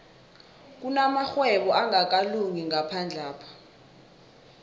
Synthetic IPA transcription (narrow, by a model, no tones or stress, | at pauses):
k̬unamaxwɛɓɔʔaŋak̬aluŋiŋapʰand͡ɮʱaːpʰɔ̥